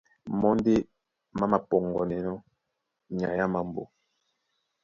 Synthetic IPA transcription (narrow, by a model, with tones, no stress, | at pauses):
mɔ˦n˦de˦ | ma˦ma˨pɔ˨ŋɡɔ˨nɛ˨nɔ˦ | ɲa˨ja˦ma˨mbo˦